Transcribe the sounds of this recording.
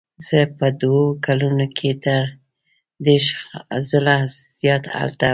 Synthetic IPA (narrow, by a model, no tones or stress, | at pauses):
z̥əpəd̪wokalunokʰet̪əɾ | d̪eʃzəlaz̥jɑt̪a̰lt̪a